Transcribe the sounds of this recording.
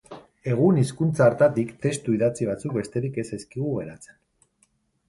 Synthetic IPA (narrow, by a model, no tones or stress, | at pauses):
e̞ɣ̞uniskunt͡saːɾt̪at̪ikt̪e̞st̪uiðat͡siβ̞at͡suk̚be̞st̪e̞ɾike̞seskiɣ̞uɣe̞ɾat͡se̞̥n